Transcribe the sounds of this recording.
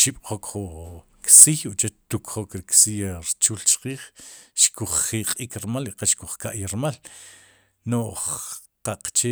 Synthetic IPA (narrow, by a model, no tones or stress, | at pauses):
t͡ʃiɓ̥χokχu | ksijuʔt͡ʃet͡ʃt̪ukχokɾiksijɾt͡ʃuːlt͡ʃqiːχʃkuχːiqʼikɾmaliqaʃkuχkaʔjaɾmal | noχ | qaqt͡ʃe